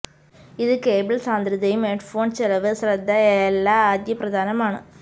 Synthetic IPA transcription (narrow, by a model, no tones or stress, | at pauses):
ɪðɯkeːbɪlsaːnd̪ɪɾɪd̪ɐjɯmeʈfoːnsɛlɐʋɯsɾɐd̪ʱːɐɛlːaːaːd̪jɐpɾɐd̪aːnɐmaːɳɯ